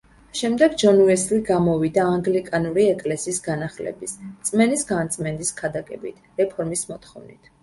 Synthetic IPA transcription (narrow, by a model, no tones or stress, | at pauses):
ʃɛmd̪ɛɡd͡ʒɔnuɛsliɡamɔvid̪aːŋɡlikʼanuɾiɛkʼlɛsiːsɡanaχlɛ̰bist̪sʼmɛnisɡant̪sʼmɛnd̪iskʰad̪akʼɛ̰bḭt̪ʰɾɛpʰɔɾmismɔt̪χɔvnḭt̪ʰ